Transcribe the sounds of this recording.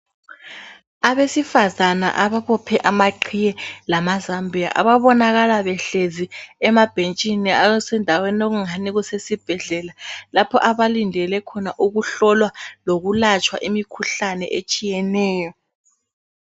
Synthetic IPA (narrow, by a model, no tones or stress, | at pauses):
aβesifazana̰ʔaβaβɔpʰɛʔamaǃʰijɛlamazambʱija̰ʔa̰βaβɔnaɣalaβɛɬeziɛmab̥ʱent͡ʃʼiniaɔsɛndʱawenoɣuŋaniɣusesib̥ʱɛɮɛlalapʰɔʔaβalindʱɛlɛkʰɔnaʔuɣuɬɔlwaloɣulat͡ʃʼwa̰ʔimikʰuɬanɛ̰ʔet͡ʃʼijɛnɛːjɔ